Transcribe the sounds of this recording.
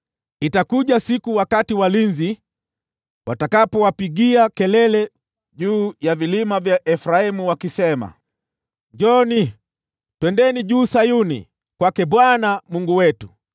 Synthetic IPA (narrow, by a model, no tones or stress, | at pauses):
itakuʄasikuwakatiwalinzi | watakapɔwapiɡiakɛlɛlɛ | ʄuːjavilimavjaʔɛfɾaimuwakisɛma̰ | ɲd͡ʒɔni | twɛndɛniʄuːsajunḭ | kwakɛɓwanamuŋɡuwɛtu